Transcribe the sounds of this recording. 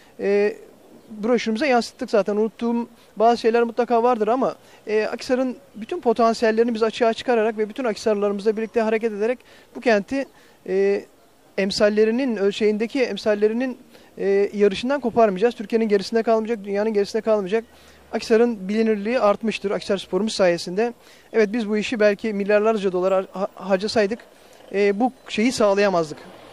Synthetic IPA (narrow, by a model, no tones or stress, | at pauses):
ɛː | buɾoʃynymyzɛjansɯ̥t̪ːɯkzaːt̪ʰænunut̪ːuːm | baːzɯʃe̞jlʲæɾmut̪lˠakaːvaɾd̪ɯɾama | ɛa̰cʰi̥saɾɯnbyt̪ʰynpʰo̞t̪ʰansijælʲːe̞ɾinibizat͡ʃʰɯaːt͡ʃʰɯ̥kʰaɾaɾakvɛbyt̪ʰynacsaɾlˠaɾɯmɯzlˠabiɾlʲic̚t̪ʰɛɦaɾe̞cɛt̪e̞d̪eɾɛc | bucʰænt̪ʰi | ɛː | ɛmsalʲːe̞ɾininøzʃe̞jind̪ecʰiɛmsalʲːe̞ɾininː | jaɾɯʃɯnd̪ankʰo̞paɾmɯd͡ʒaːzt̪ʰyɾcieninɟe̞ɾisind̪ɛkʰalˠmɯd͡ʒak̚d̪ynjaːnɯnɟe̞ɾisind̪ɛkʰalˠmɯd͡ʒak̚ | acsaɾɯnbilʲiniɾlʲiːaɾt̪mɯʃt̪ʰɯɾacsaɾspʰo̞ɾumusːaːje̞sind̪ɛ | ɛvɛt̪̚bizbuiʃibælʲcʰimilʲːaɾlˠaɾd͡ʒad̪o̞lˠaɾɦaɾd͡ʒasajd̪ɯkː | buʃe̞jisaːlˠajamazd̪ɯk